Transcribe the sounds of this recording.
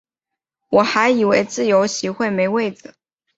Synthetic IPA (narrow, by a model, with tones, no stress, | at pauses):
wɔ˨˩xa˧˥ɪi˨˩we˧˥ɪt͡sɹ̩˥˩jo˧˥ʊɕi˧˥xwe˥˩ɪme˧˥ɪwe˥˩ɪd͡zɹ̩˨˩